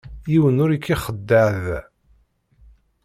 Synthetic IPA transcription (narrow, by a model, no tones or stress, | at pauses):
jiwənʊɾikʰːiχəd̪ːəʕð